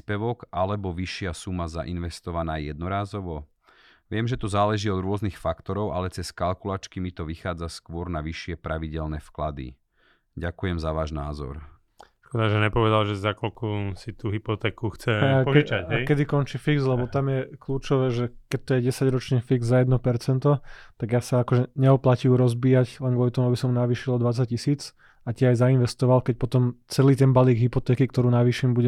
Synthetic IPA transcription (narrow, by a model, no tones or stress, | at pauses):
spɛʋɔɡʔalɛbɔʋiʃɪasumaza̰ʔinʋɛst̪ɔʋanaːjɛd̪nɔɾaːzɔʋɔ | ʋɪɛmʒɛt̪ɔzaːlɛʒiːɔd̪ɾʊɔznixfakt̪ɔɾɔʊalɛt͡sɛskalkulaːt͡ʃkimit̪ɔʋixaːd͡zaskʊɔɾnaʋiʃɪɛpɾaʋiɟɛlnɛfklad̪ḭ | ɟakujɛmzaʋaːʒnaːzɔ̰ɾ | ʃkɔd̪aʒɛɲɛpɔʋɛd̪alʒɛzakɔlkɔsit̪uːɦipɔt̪ɛːkuxt͡sɛaaakɛd̪ikɔnt͡ʃifiɡzlɛbɔt̪amjɛkluːt͡ʃɔʋɛːʒɛkɛc̚t̪ɔjɛɟɛsaɟɾɔt͡ʃɲɛfiɡzzajɛd̪nɔpɛɾt͡sɛnt̪ɔt̪aɡjaːsaakɔʒɛɲɛɔplaciuɾɔzbiːaɟlɛnɡʋɔlit̪ɔmuabisɔmunaʋiːʃilˠɔd̪ʋat͡sac̚cisiːt͡s | atɪɛajzainʋɛst̪ɔʋalkɛc̚pɔt̪ɔmt͡sɛliːt̪ɛnbaliːɡɦipɔt̪ɛːkik̚t̪ɔɾuːnaʋiːʃimbuɟɛ